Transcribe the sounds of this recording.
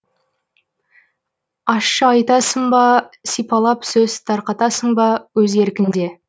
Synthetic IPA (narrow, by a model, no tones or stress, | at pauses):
ɑʃːəɑjt̪ɑsəɴbɑsijpɑlˠɑpsɵz̥t̪ʰɑɾqɑt̪ɑsəɴbɑwɵze̞ɾkʲɪnd̪e̞